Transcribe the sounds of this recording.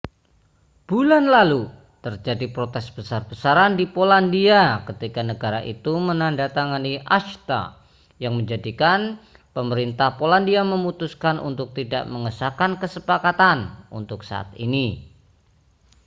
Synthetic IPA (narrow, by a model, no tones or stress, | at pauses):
b̥ulanlalu | t̪ərd͡ʒadipɾot̪ɛsb̥əsarbəsaɾandipolandiakət̪ikanəɡaɾaʔḭt̪umənandat̪aŋaniʔaʃt̪a̰ | jaŋməɲd͡ʒadikan | pəməɾint̪ahpolandiaməmut̪uskanʔṵnt̪ʊk̚t̪ida̰ʔməŋəsakankəsəpakat̪anṵnt̪ʊksa̰a̰t̪̚ḭni